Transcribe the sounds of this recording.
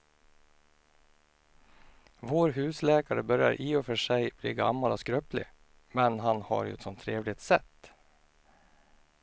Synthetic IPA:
voːɾɦʉ̟ːslɛːkaɾəbœɾja̰ɾʔiːɔfœʂɛjb̥liːɡa̰mːalɔskɾøːplɪ̰ | mɛnɦanha̰ɾjɵ̰ɛt̪sɔmt̪ʰːɾeːvlɪt̪sɛt̪ː

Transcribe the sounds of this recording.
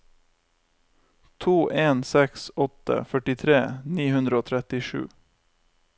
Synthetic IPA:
t̪ʰuːʔeːnsɛksɔt̪ə̰fœʈɪt̪ʰɾeːniːhʉnd̪ɾəoːt̪ʰɾɛt̪ɪʃʉ̰ː

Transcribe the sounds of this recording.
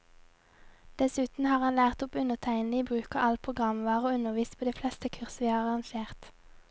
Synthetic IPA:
d̪̥ɛsʉːt̪n̩hɑːʁhɑnlæːʁt̪ʊpʉnəʁt̪ʰæɪnəiːbʁʉːkɑʔɑlpʰʁʊɡʁɑmʋɑːʁoːʉnəʁʋiːst̪pʰoːd̪eːflɛst̪əkʰʉʁsəʋiːhɑːʁɑʁɑŋʃeːʁt̪

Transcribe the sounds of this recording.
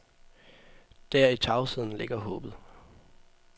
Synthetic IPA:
d̥æɐ̰it͡sʰɑ̈ʊsið̞̰ˠn̩le̝ɡ̥ɐɦɔ̰̽ːb̥ð̞̩ˠ

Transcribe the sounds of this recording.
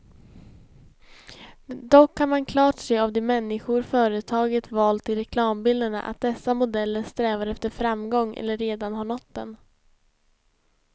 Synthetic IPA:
d̪ɔkʰːanmankʰlɑːʈseːavd̪ɛːmɛnːɪɧʊɾfœːɾət̪ʰɑːɡət̪vɑːlt̪ʰːɪlɾɛkʰlɑːmbɪld̪əɳa̰ʔa̰t̪̚d̪ɛsːamʊd̪ɛlːəɾst̪ɾɛːvaɾɛft̪əɾfɾamːɡɔŋːʔɛ̰lːəɾːeːd̪anɦaɳɔt̪ːd̪ɛ̰n

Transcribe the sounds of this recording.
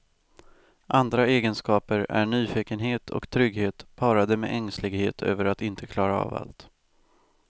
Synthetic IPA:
ʔand̪ɾaeːɡənskɑːpəɾæ̰ɳyːfɪkənɦeːt̪ʰɔ̰kt̪ʰɾʏɡheːt̪pʰɑːɾad̪əmɛ̰ʔɛŋslɪɡhḛːt̪ʰø̰ːvəɾat̪ɪnt̪ʰəkʰlɑːɾaɑ̰va̰lt̪

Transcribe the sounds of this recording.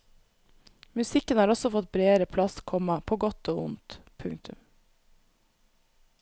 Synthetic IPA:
mʉsɪkənhɑːɾɔsɔfɔt̪̚bɾeːəɾəpʰlɑskʰɔmɑpʰoːɡɔt̪oːʊnt̪pʰʉŋt̪ʉ̰m

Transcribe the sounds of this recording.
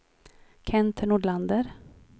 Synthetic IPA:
kʰɛnt̪ʰəɳuːɖɭand̪əɾ

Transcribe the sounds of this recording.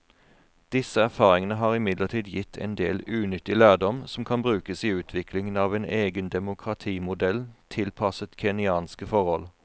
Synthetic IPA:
d̪̥ɪsəæʁfɑːʁɪŋənəɦɑːʁɪmɪd̪ləʁt̪ʰiːd̪jɪt̪ʰɛ̰nd̪eːlʉːnʏt̪ːɪlæːʁd̪ɔmsɔmkʰɑnbʁʉːkəsiːʉːt̪ʰʋɪkʰlɪŋənɑːʋeːnʔeːɡənd̪ɛmʊkʰʁɑt̪ʰiːmʊd̪ɛlt̪ʰɪlpʰɑsət̪kʰɛnɪɑːnskəfɔʁhɔl

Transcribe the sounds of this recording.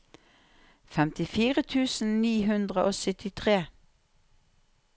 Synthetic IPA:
fɛmt̪ɪfiːʁət̪ʰʉːsn̩niːɦʉnd̪ʁəʔoːsʏt̪ɪt̪ʰʁeː

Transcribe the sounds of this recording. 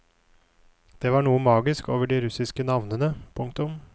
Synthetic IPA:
d̪̥eːʋɑːɳuːəmɑːɡɪskoːʋəɖiːɾʉsɪskənɑʋnənəpʰʊŋkt̪ʊm

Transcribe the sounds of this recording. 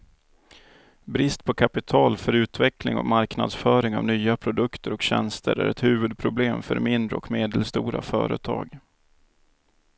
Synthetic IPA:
bɾɪst̪̚pʰɔkʰapɪt̪ʰɑːlfœɾʉ̟ːt̪vɛklɪ̰ŋɔ̰kmaɾkna̰d̪sfœːɾɪŋa̰vnyːapʰɾʊd̪ɵkt̪ʰəɾɔkɕɛnst̪ʰəɾæ̰ɾɛt̪hʉ̟ːvɵd̪̚pʰɾʊbleːmfœɾmɪnd̪ɾəɔkmeːd̪əlst̪uːɾa̰fœːɾə̰t̪ʰɑ̰ːɡ

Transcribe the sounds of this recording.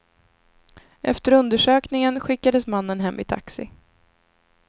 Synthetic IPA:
ʔɛ̰ft̪əɾɵnd̪əʂøːknɪŋənɧɪkːad̪əsmanːənɦɛmːʔɪ̰t̪ʰa̰ksɪ̰

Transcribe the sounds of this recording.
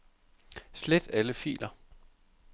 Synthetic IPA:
sled̥æləfḭːlɐ

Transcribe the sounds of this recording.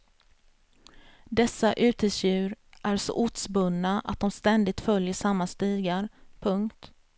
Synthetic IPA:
d̪ɛsːaʔʉ̟ːt̪ʰɪsjʉ̟ːɾʔæɾʂo̰ːʔʊt̪sbɵnːaʔa̰t̪̚d̪ɔmst̪ɛnd̪ɪɡ̚t̪fœljəʂamːast̪iːɡaɾpʰɵŋkt̪

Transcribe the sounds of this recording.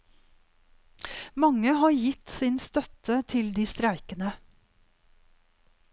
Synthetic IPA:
mɑŋəhɑːɾjɪt̪sɪnst̪œt̪ʰət̪ʰɪld̪iːst̪ɾæɪkənə

